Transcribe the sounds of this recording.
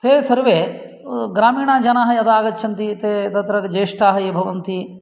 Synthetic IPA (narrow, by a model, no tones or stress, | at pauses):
t̪eːsɐɾʋeː | ɡɾaːmiːɳaːd͡ʒɐnaːɦɐjɐd̪aːɡɐtːt͡ʃʰɐnt̪it̪eːt̪ɐt̪ɾɐkd͡ʒeːʂʈaːɦɐibʱɐʋɐnt̪i